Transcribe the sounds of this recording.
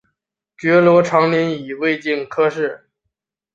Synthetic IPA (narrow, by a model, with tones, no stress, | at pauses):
t͡ɕɥɛ˧˥lwɔ˧˥ʈ͡ʂʰɑ˧˥ŋnɛ˧˥ni˨˩we˥˧ɪt͡ɕi˥˩nkʰɤ˥ʂɻ̩˥˩